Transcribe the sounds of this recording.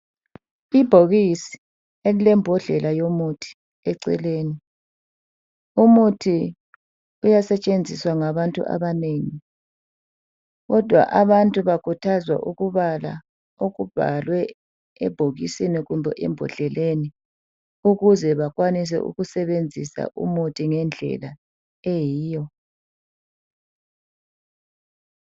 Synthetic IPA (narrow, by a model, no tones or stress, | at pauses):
ib̥ʱoɣisi̥ | elilɛmbʱɔɮɛlajomutʰi̥ | ɛǀɛ̰leːni | umutʰi | ujasɛt͡ʃʼend͡zʱiswaŋaβantʼṵʔa̰βaneːŋi | ɣɔd̥ʱwa̰ʔaβantʼuβakʰutʰazwa̰ʔuɣuβala̰ | oɣub̥ʱa̰lwɛ | ɛb̥ʱoɣisiniɣumbʱɛʔɛ̰mbʱɔɬɛleni | uɣuzɛβakwanis̬ɛ̰ʔṵɣusɛβend͡zʱisa̰ʔṵmutʰiŋɛnd͡ɮʱɛ̰la | ejiːjɔ